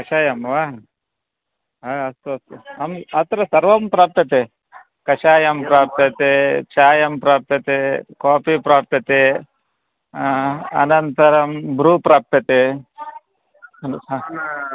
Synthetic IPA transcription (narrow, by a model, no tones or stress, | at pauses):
kɐʃaːjɐmʋaːɦ | ɐst̪ɐɐmɐt̪ɾɐsɐɾʋɐmpɾaːp̚t̪ɐt̪e | kɐʃaːjɐmpɾaːp̚t̪ɐt̪et͡ʃaːjɐmpɾaːp̚t̪ɐt̪ekaːpipɾaːp̚t̪ɐt̪e | ɐ̰nɐnt̪ɐɾɐmbɾuːpɾaːp̚t̪ɐt̪e | ɐnː